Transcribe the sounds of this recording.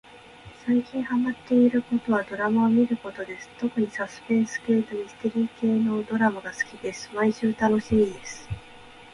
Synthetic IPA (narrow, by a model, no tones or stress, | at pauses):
saikʲĩɰ̃hamat̪ːe̞iɾɯ̟ko̞t̪o̞βad̪o̞ɾamaomʲiɾɯ̟ko̞t̪o̞d̪e̞sɨ̥t̪o̞kɯ̟ɲ̟isasɨ̥pẽ̞ɰ̃sɨ̥ke̞ːt̪omʲisɨ̥t̪e̞ɾʲiːke̞ːno̞ːd̪o̞ɾamaɡasɨ̥kʲid̪e̞sɨ̥maiɕɨːt̪ano̞ɕiːd̪e̞sɨ̥